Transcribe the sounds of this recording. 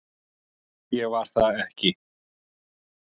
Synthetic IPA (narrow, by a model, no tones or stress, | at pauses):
jɛvaɾ̥θaɛhcɪ